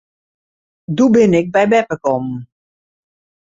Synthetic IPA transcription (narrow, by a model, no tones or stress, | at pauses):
dubɪnɪk̚bɛjbɛpəkɔmn̩